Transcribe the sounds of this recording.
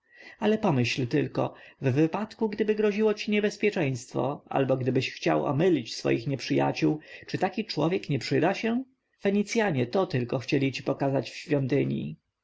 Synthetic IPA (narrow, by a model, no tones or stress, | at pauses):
alɛpɔmɘɕlt̪ɘlkɔ̰vːɘpat̪kuɡd̪ɘbɘɡɾɔʑiwɔt͡ɕiɲɛbɛspʲjɛt͡ʂɛ̃j̃st̪fɔ̰ʔa̰lbɔɡd̪ɘbɘɕxt͡ɕa̰wɔ̰mɘlʲit͡ɕsfɔ̰jixɲɛpʂɘja̰t͡ɕuwt͡ʂɨt̪akʲit͡ʂwɔvʲjɛkɲɛpʂɘd̪aɕɛ | fɛɲit̪sʲjaɲɛt̪ɔt̪ɘlkɔxt͡ɕɛlʲit͡ɕipɔkazat͡ɕfɕfʲjɔnt̪ɘɲjḭ